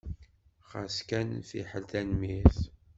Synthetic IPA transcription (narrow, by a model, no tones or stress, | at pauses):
χa̰skænθḭħəlθænmiθ